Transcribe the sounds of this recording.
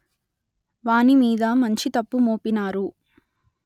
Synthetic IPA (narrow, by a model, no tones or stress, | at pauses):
ʋaːnimiːd̪ɐmɐɲt͡ʃit̪ɐpːumoːpinaːɾu